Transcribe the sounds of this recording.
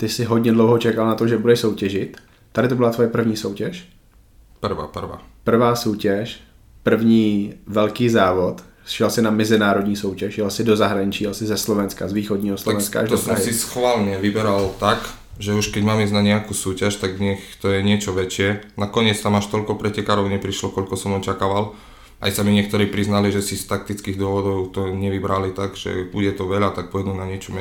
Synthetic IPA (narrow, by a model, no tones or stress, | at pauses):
t̪ɪsɪɦod̪ɲɛdlowɦot͡ʃɛkalnat̪oʒɛbudɛʃsowcɛʒɪt̪ | t̪ːadɪt̪̬obɪlat̪vojɛpr̩vɲiːsowcɛʃ | pr̩ʋa̰ːpr̩ʋa̰ːpr̩vaːsoːcɛʃ | pr̩vɲiːvɛlkiːzaːvot̪ | ʃjɛlsɪnamɛzɪnaːɾodɲiːsowcɛʃjɛlsɪdozaɦɾaɲɪt͡ʃiːjɛlsɪzɛslovɛnskazviːxodɲiːɦoslovɛnska̰ʔa̰ʒd̪ospɾaɦɪsisxʋaːlɲɛʋibɛɾalt̪ak | ʒɛuʃkɛɟmaːmiznaɲɛakuːsuːcaʃt̪aɡɲɛxt̪ɔjɛɲɪɛt͡ʃɔʋɛt͡ʃɪɛnakɔɲɪɛt͡st̪amaʃt̪ɔʎkɔpɾɛcɛkaɾɔʊɲɛpɾiʃlɔkɔʎkɔsɔmɔt͡ʃakaːʋal | ʔa̰jsamiɲɪɛk̚t̪ɔɾiːpɾiznaliʒɛsist̪ak̚t̪it͡skiːɣd̪ʊɔʋɔd̪ɔʊt̪ɔɲɛʋibɾalit̪aɡʒ̥ɛ̰buɟɛt̪ɔʋɛʎat̪ak̚pɔɛd̪unaɲɪɛt͡ʃɔmɛ